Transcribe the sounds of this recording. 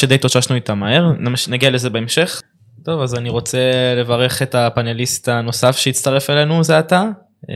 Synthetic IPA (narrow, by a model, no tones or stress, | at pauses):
ʃedejtoʃaʃnuit̪amae̞ʁnamnaɡiale̞ze̞beemʃe̞χ | to̞vazaniʁo̞t͡se̞le̞vaʁe̞χe̞tapane̞list̪ano̞safʃeitt͡st̪aʁe̞fele̞nuzeata